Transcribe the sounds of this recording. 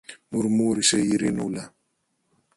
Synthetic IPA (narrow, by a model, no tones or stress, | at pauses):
muɾmuɾisejiɾenula